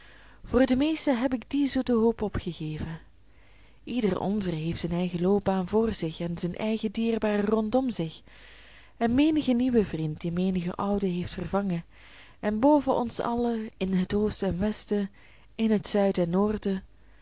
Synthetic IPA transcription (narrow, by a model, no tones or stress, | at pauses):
v̥ʊːrdəmeːstəɦɛpɪɡdizutəɦoːpɔpχəɣeːvə | ʔidərʔɔ̰ndərəɦeːftsənɛjɣəloːp̚baːnvʊːrzɪxɛnzənʔɛjɣədiːrbaːrərɔntɔmzɪx | ɛnmeːnəɣəniʋəvrint̚dimeːnəɣə̰ʔʌwdəɦejftfərvɑŋə | ɛnboːvəʔɔ̰nsɑ̰ləɪnɦətoːstɛnʋɛstə | ɪnɦətsœɥdɛnːoːrdə